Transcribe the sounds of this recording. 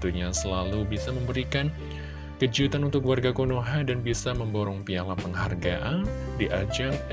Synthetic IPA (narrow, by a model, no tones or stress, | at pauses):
t̪uɲasəlalubisaməmbəɾikan | kəd͡ʒiut̪anunt̪ʊkuwarɡakunoɦadanbisaməmboɾɔŋpialapəŋɦarɡaʔan | diʔad͡ʒam